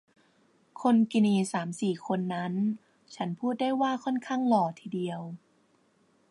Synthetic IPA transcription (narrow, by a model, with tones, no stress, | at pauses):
kʰo˧nki˧niː˧˩saː˩˦msiː˨˩kʰo˧nːa˦˥n | t͡ɕʰa˦˥npʰuː˥˩t̪̚daː˥˩jwaː˥˩kʰɔ˥˩˨nkʰa˥˩˨ŋlɔː˨˩t̪ʰiː˨di˧əw